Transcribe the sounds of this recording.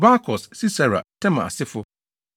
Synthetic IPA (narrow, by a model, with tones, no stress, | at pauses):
ba˦kʰɔ˨ssi˦sa˨ɾa̰˨tʰɛ̃˦ma˨a̰˨sɪ˦fʊ˦